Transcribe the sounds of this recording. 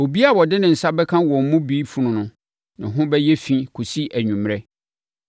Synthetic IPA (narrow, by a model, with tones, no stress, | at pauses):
o˨bi˦a˨wɔ˨dɪ˦nɪ̃˨n̩˨sa˦bɛ˦kʰã˦wɔ̃˨m̩˨mʊ̃˦biː˦fu˨nʊ̃˨nʊ̃˨ | nɪ̃˨ɦʊ̃˦bɛ˦jɛ˦fĩ˦kʰu˨si˦ʔæ˨ɲᶣũ˨m˨ɾɛ˦